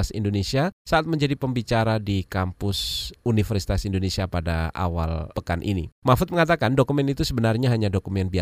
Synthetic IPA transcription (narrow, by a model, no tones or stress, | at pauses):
asḭndonesiasaʔat̪̚məɲd͡ʒadipəmbit͡ʃaɾadikampʊsunifərsi̥t̪asindonesiapadaa̰walpəkanʔḭnḭmafʊt̪̚məŋat̪akandokumɛnit̪usəbənarɲaɦaɲadokumɛnbia